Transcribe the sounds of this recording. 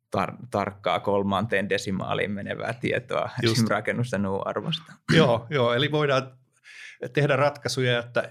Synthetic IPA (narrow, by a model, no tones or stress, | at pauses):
t̪ɑ̰rt̪ɑrkːɑ̰ːkolmɑnt̪eːndesimɑ̰ːlḭːmmenḛʋæ̰ːt̪iet̪oɑmrɑkenːust̪ɑnuːɑ̰rʋost̪ɑ̥joːjoːeliʋoidɑː | t̪ehdærɑt̪kɑsujɑjot̪ːɑ